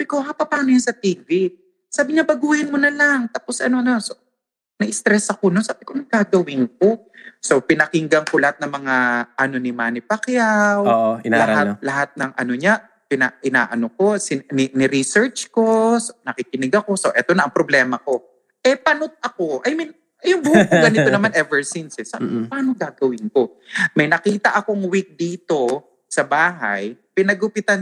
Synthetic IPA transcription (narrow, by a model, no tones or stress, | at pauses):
abɪkoɦapɐpaːnojansɐt̪iːvi | saːbɪɲabɐɡuːhɪnmonɐlaŋt̪aːpo̞sʔɐno̞noso | nɐʔɪst̪ɾɛsɐkononsaːbɪkonɐkaːɡɐwɪnk̚o̞ | so̞pɪnɐkɪŋɡɐŋko̞lɐhat̪̚nɐŋmɐŋaʔɐno̞nɪmaːnɪpɐkjawoʔoɪnalahalɐɦat̪̚nɐŋɐ̰no̞ɲa | pɪna̰ʔɪna̰ːʔɐnoko̞sɪnɪnɪɾisɛɹt͡ʃkosnɐkikɪnɪɡɐko̞soʔɛt̪onɐɐŋpɾoblɛːmɐko̞ | ʔɛpɐnot̪̚ɐko̞ʔɐjmɪn | ɐjʊŋbuhkoɡɐnɪt̪onɐmanʔɛvɛɹsinsɛsapaːnoɡaːɡɐwɪnko̞ | mɐjnɐkiːt̪ɐʔɐkoŋwik̚d̪iːt̪o̞ | sɐbaːɦa̰jpɪnɐɡʊpɪt̪an